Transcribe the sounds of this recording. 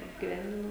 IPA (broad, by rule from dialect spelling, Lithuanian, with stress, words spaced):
ɐbʲɡʲiːˈʋʲɛnʲdʲɪnoː